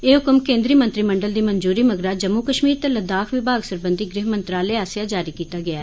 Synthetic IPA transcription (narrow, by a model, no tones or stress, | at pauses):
eːɦʊkəmkẽːnd̪ɾiːmə̃nt̪ɾiːməɳɖəld̪iːmənd͡ʒuːɾiːməɡɾaːd͡ʒəmːuːkəʃmiːɾt̪eləd̪aːkʰʋibaːɡsəɾbənd̪iːɡɾɪɦmənt̪ɾaːleːaːsɪjaːd͡ʒaːɾiːkiːt̪aːɡɪaː